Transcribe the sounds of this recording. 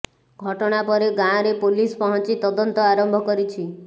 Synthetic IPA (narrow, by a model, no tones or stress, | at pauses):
ɡʱɔʈɔɽ̃apɔɾeɡãɾepolispɔɦɔnt͡ʃit̪ɔd̪ɔnt̪ɔaɾɔmbʱɔkɔɾit͡ʃʰi